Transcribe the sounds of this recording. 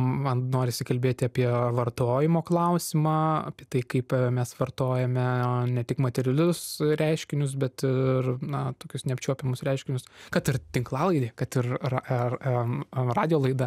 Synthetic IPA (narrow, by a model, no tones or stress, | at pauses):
mɐnnoːɾʲɪsʲɪkɐlʲbʲeːt̪ʲɪɐpʲiɛʋɐrt̪oːjɪmoːklˠɐʊsʲɪmɑɐ̰pʲiɛt̪ɐɪkɐɪpmʲɛsʋɐrt̪oːjɛmʲɛnʲɛt̪ʲɪkmɐt̪ʲɛɾʲɪlʲʊsɾʲæɪʃʲkʲɪnʲʊs̬bʲɛt̪ɪrnɐt̪oːkʲʊsnʲɛɐpʲt͡ʃʲuɔpʲɛmʊsɾʲɛɪʃʲkʲɪnʲʊskɐt̪ɪrt̪ʲɪŋklˠɑːlˠɐɪd̪ʲeːkɐt̪ɪr | rɑːd̪ʲɪjoːlˠɐɪd̪ɐ